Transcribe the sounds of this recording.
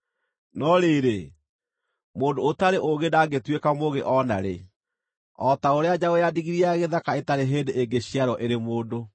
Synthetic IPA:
nɔɾeɾe | moːndoːtaɾeʔoɣedaːɡetwekamoɣeʔɔna̰ɾḛ | ɔtaoɾead͡ʑaɣojadiɣiɾiaɣeðakaetaɾeɦeːndeʔeŋɡeɕiaɾɔʔeɾemoːdo

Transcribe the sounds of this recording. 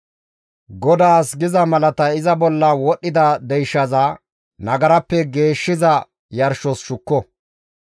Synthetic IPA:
ɡɔd̪aːsɡɪzɐmɐlɐt̪ɐɪzɐbɔlːɐwɔɗːɪd̪ɐd̪ɛjʃːɐzɐ | nɐɡɐɾɐpːɛɡe̞ːʃːɪzɐ | jɐɾʃɔsʃʊkːɔ

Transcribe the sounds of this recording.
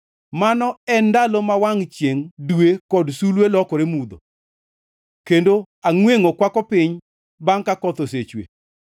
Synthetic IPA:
manɔɛndalomawaŋt͡ʃjeŋdwekɔdsulwelɔkɔɾemud̪o̰ | kendo | aŋweŋokwakɔpɪɲ | baŋkakɔt̪oset͡ʃwḛ

